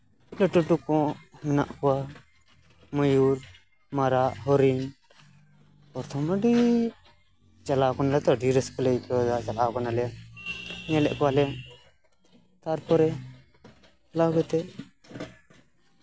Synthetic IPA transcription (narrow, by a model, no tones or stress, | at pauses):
lɛʈuʈukɔ̃mɛna̰ʔkɔwa | mɔjuɾ | maɾaʔɦɔɾin | pɔɾt̪ʰɔmaɖi | t͡ʃalakɔnalɛt̪ɔɖiɾɛskɔlɛkɔd̪at͡ʃalakɔnalɛja | ɲɛlɛʔkɔwalɛja | t̪aɾpɔɾɛ | laɡɔt̪ɛ